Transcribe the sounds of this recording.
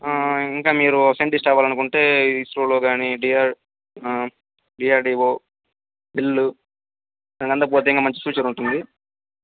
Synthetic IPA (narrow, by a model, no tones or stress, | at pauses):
aiŋkaːmiːɾufeɳʈisʈɛːʋaːlɐnukuɳʈe̞ːisʈɾoːloːɡaːniɖiaːɾ | ɖiːaːɾɖiːʋoː | bilːu | d̪inɐkɐnt̪̬ɐp̬oːt̪eiŋkaːmɐɲt͡ʃi̥fjuːt͡ʃɐɾuɳʈund̪i